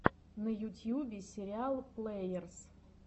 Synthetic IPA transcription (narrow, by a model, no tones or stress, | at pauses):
nəjut̪ʲjubʲɪsʲɪɾʲɪalˠplˠejərs